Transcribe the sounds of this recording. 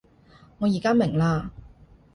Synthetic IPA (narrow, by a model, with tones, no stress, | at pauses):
ŋɔː˨˧jiː˨˩kaː˥mɪ˨˩ŋlaː˧